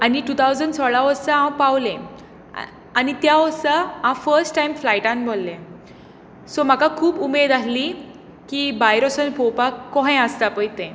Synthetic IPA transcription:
aniʈut̪ʰawd͡zənɖsɔɭaʋəɾsəãpawlẽ | anit̪jaʋəɾsəãfəɾsʈːajmflajʈãnbʱolːẽ | sɔm̤akakʰuːbumed̪aɦli | kibajɾosənpopakkːɔɦj̃əst̪apəjt̪ẽ

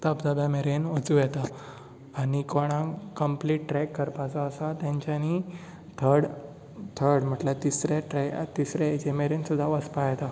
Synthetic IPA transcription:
t̪apd͡zabjameɾenət͡sujɛt̪aː | ɽ̃ikoɽ̃ãkəmpliʈːɾɛkːəɾpat͡saːsat̪jãɲt͡ɕjani | t̪ʰəɾɽ | t̪ʰəɾɽm̤əʈlət̪isɾaʈɾɛt̪isɾeed͡ʑemeɾensud̪ʱːaʋəspajɛt̪a

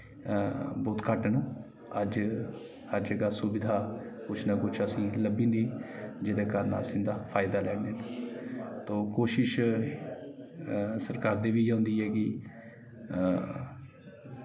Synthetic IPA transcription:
boːt̪kəʈnũː | əd͡ʒ | həɾd͡ʒeːɡaːsʊbɪd̪ʱaːkʊt͡ʃʰnaːkʊt͡ʃʰəsĩːləbĩːnd̪iːd͡ʒeːd̪eːkəɾənasĩːd̪aːpʰaːɪd̪aːlɛːneːnː | t̪oːkoːʃɪʃ | səɾkaːɾd̪eːʋiːãːnd̪iːɛːkɪ

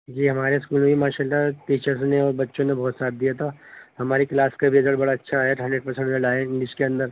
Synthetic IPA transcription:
ekʰieɦɐmaːɾeskuːlmẽbʱimaːʃaːlːaʈiːt͡ʃəɾsneɔːɾbɐtːʃõnebɔɦːt̪saːt̪̚d̪ijat̪ʰaɦɐmaːɾiklaːskabʱiezəɽbɐɽaɐtːʃʰaɦɛʈɦɐ̃ɳɖeʈ̚pɐɾsẽɳʈəɖaːɪ̃ɳɖɪʃkeɐ̃nd̪əɾ

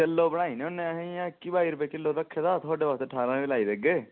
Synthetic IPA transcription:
elːoːbəɽ̃aːinẽʊnːẽaɦẽjãːkibaːiɾbeːkɪlːoːɾəkʰːed̪aːt̪ʰaːɖeːʋaːst̪eːʈʰaːɾãeilaːibeːɡeː

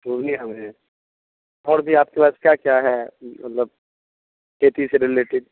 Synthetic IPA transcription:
puːʋnĩɦɛmẽ | ɔːɾbʱiaːp̚kepaːskjakjaɦɛmɐt̪ləb̚ | kʰeːt̪iseɾɪleːʈɪɖ̚

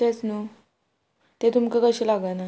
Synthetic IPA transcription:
et͡snu | t̪et̪umkekəɕilaɡajna

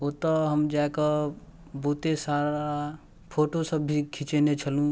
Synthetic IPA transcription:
ot̪ɔɦəmd͡ʒaekə | but̪esaɾa | pʰoːʈosəbʱːikʰit͡ʃenet͡ʃʰəlũ

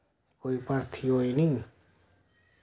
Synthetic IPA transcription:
koːipəɾt̪ʰiɦoːinĩː

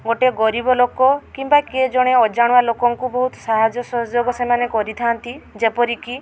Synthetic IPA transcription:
ɡoʈeɡɔɾibɔlokɔkimbaked͡ʒɔɽ̃eɔd͡ʒaɽ̃ualokɔŋkubɔɦut̪ɔ̥saɦad͡ʒɔsɔd͡ʒoɡɔsemanekɔɾit̪ʰant̪id͡ʒepɔɾiki

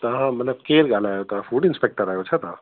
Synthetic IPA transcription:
t̪ɐɦãmɐt̪ləb̚keːlɡaːlaːjot̪ãfuːɖɪnspek̚ʈəɾaːjot͡ʃʰɐt̪aã

